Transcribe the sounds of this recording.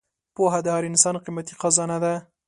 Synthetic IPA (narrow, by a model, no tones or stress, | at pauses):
poɦad̪əhɑɾinsɑnqimat̪iqɑzɑnad̪a